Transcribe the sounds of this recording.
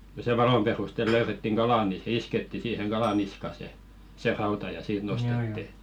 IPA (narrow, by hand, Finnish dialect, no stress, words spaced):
k̆ŏ se ʋɑlom perustel løyretːiŋ ɡ̊ɑlɑˑ ni se isketːi siːheŋ ɡ̊ɑlɑ niskɑ se se rɑutɑ jɑ siːt nostetːi